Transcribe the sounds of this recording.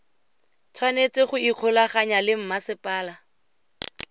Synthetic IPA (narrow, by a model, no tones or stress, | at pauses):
t͡sʰwanet͡sɪχʊiq͡χʰʊlaχaɲalɪm̩masɪpʼaːla